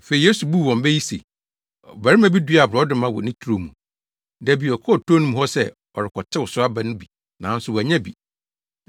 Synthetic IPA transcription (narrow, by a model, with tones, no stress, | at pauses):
fe˨i˨je˦su˨bu˦˨wɔ̃˨mbɛ˦ji˦sḛ˨ | bæ˨ɾɪ˦mæ̃˦bi˦di˦˨a˨bɔ˨˦dɪ˦mã˦wɔ̰˨nɪ̃˦tʰu˦ɾo˨mũ˨ | dæ˨bi˨ɔ˨kʰɔ˦˨tʰo˦nũ˦mũ˨hɔ˦sɛ˦ | ɔ̰˨ɾɪ˨kʰɔ˨tʰɪ˦wʊ˨sʊ˦a˦ba˦nʊ̃˦bi˨ | nã˨˦n̩˦sʊ˨wæ˨ɲɛ̃˦bi˨